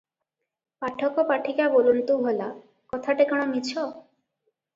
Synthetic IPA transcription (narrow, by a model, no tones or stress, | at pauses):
paʈʰɔkɔpaʈʰikabolunt̪uɦola | kɔt̪ʰaʈekɔɽ̃ɔmit͡ʃʰɔ